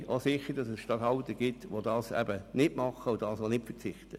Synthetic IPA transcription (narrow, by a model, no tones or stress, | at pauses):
osɪχəɾdɑsɛsʃtɑthɑltəɡ̥ɪtʋodɑːsɛ̰bənɪdmɑχəʊdɑːsonɪtfət͡sɪχtə